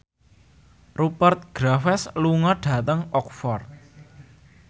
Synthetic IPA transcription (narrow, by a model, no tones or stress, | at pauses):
rupərt̪̚ɡ̥ɾafɛsluŋɔɖ̥a̤t̪əŋɔk̚fɔrt̪̚